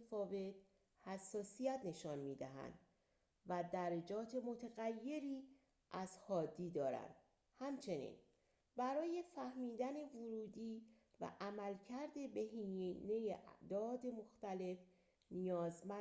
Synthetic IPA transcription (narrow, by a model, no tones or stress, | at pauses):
fɒːve̞t̪ | hæsːɒːsijæt̪ne̞ʃɒːnmiːd̪æɦæ̰nd̪̥ | væd̪æɾed͡ʒɒːt̪ʰe̞mo̞t̪ʰeɣæjːe̞ɾiː | ʔæz̥hɒːd̪iːd̪ɒːɾæ̰nd̪̥ | hæmt͡ʃʰe̞nḭːn | bæɾɒːje̞fæhmiːd̪æne̞voɾuːd̪iː | væ̰ʔæmælcʰæɾd̪e̞beɦiːne̞jeʔd̪ɒːd̪e̞mo̞xt̪æle̞f | nijɒːzmæ